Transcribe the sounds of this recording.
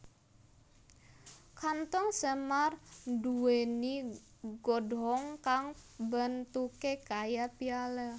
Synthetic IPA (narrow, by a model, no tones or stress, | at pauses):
kant̪ɔŋsəmarduweniɡɔdɦɔŋkaŋbənt̪ukekajapiala